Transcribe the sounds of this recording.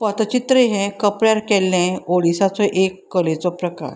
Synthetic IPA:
pət̪ət͡ɕit̪ɾəɦɛ̃kəpɾjaɾkɛlːɛ̃oɽisat͡sɔʔekːəlet͡sɔpɾəka̰ɾ

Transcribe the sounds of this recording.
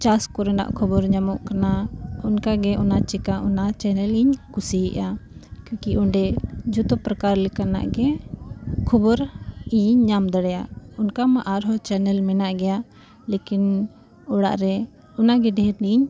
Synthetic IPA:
t͡ʃaskɔɾɛna̰ʔkʰɔbɔɾɲamɔʔkanaunkaɡɛʔɔnat͡ʃɛkaʔɔnat͡ʃɛnɛliɲkusiʔakakiʔɔɳɖɛd͡ʒut̪ɔpɾakaɾlɛkana̰ʔɡɛ | kʰɔbɔɾiɲːamd̪əɽɛjaunkamaʔaɾɦɔt͡ʃɛnɛlmɛnaʔɡɛja | lekin | ɔɽa̰ʔɾɛ | ɔnaɡɛɖɛɾniɲ

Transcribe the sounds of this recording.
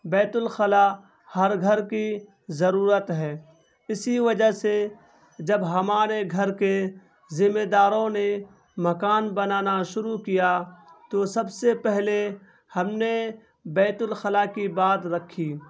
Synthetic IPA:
bɛːt̪ʊlxəla | hɐɾɡʱɐɾki | zɐɾuːɾət̪ɦɛː | ɪsiʋɐd͡ʒase | d͡ʒɐbɦɐmaːɾeɡʱɐɾke | zɪmed̪aːɾõne | mɐkaːnbɐnaːnaʃʊɾukijat̪osɐbsepɛɦle | hɐmne | bɛːt̪ʊlxɐlakibaːt̪ɾɐkʰːiː

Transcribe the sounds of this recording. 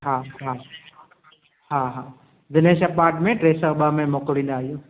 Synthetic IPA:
ɦaːɦa | ɦaɦaː | d̪ɪneːʃɐpaːɾʈmẽʈɾeːsəɓamẽmokɽĩːnd̪aːɦijõː

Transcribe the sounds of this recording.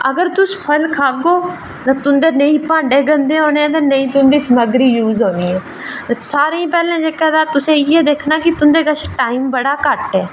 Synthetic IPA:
əɡəɾt̪ʊspʰəlkʰaːɡoː | t̪ãːt̪ʊnd̪eːnəĩːpãːɳɖeːɡənd̪eːɦoːneːɛ̃ːt̪̬ãːnəĩːt̪ʊnd̪iːsəməɡɾiːjuːzɦõːniːɛ̃ː | saːɾẽːĩːpɛːlãːd͡ʒeːkɛːd̪aːt̪ʊsẽːɪɛːd̪eːkʰnaːkɪt̪ʊnd̪eːɡəʃʰʈaːiːmbəɽaːkəʈɛː

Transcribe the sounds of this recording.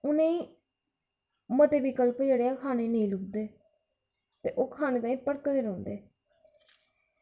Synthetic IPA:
ʊnẽĩː | mət̪eːʋɪkəlpd͡ʒeːɽeːaːkʰaːneːnəĩːlʊk̚d̪eː | t̪eːʔoːkʰaːneːt̪aːĩːpəɽkd̪eːɾõːnd̪eː

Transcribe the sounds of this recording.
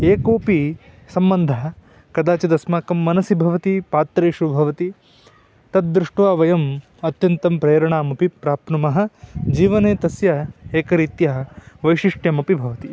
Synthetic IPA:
eːkoːpi | sɐmbɐnd̪ʱɐɐ | kɐd̪aːt͡ʃɐd̪ɐsmaːkɐmːɐnɐsibʱɐʋɐt̪ipaːt̪ɾeːʃubʱɐʋɐt̪i | t̪ɐd̪̚d̪ɾuʂʈʋaːʋɐjɐm | ɐt̪jɐnt̪ɐmpɾeːɐɾɐɳaːmɐpipɾaːpnumɐɦɐ̆d͡ʒiːʋɐneːt̪ɐsjɐeːkɐɾit̪jɐɦɐʋɐjʃiʂʈjɐmɐpibʱɐʋɐt̪i

